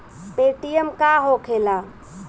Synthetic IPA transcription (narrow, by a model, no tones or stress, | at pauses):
peʈijəmkaɦokʰela